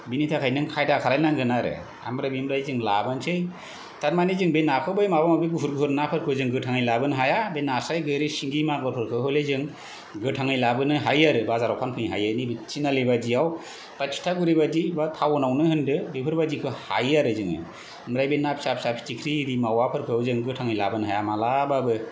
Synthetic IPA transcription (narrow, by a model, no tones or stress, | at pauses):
binitʰakʰajnɯŋkʰajdakʰalajnanɡʰɯnaɾɯ̰ | a̰mɾabimɾajzɯŋlabɯnt͡ʃʰɯj | tat̚manizɯŋbenakʰɯbɯjmabamabiɡuɦuɾɡuɦʰɯɾnapʰɯɾkʰɯzɯŋɡɯtʰaŋɯjlabɯnɦajabenasajɡɯjɾɯsiŋɡimaɡɔɾpʰɯɾkʰɯɦɯlezɯŋ | ɡɯʈʰaŋɯjlabɯnɯɦajaɾɯbazaɾɔkʰankʰɯjɦa̰janibit͡ʃʰːinalibad͡ʒijaw | pat͡ʃʰtʰaɡuɾibadibat̪ʰawɔnawnɯhɯndɯbepʰɯɾbadikʰɯha̰jaɾɯzɯŋɯ̰ | mɾajbenapʰsapsapʰitikʰɾidimawapʰɯɾkʰɯwzɯŋɡɯtʰaŋɯjlabɯnɦajamalababɯ